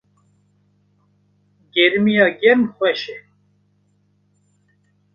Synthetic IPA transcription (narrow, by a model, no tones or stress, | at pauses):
ɡɛɾmijɑɡɛɾmxʷwɛʃɛ